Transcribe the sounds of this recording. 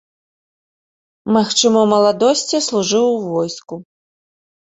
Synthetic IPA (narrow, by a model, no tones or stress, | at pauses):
maxt͡ʂɨmɐmɐlˠad̪ɔsʲt͡sʲislˠuʐɨwuvɔjsku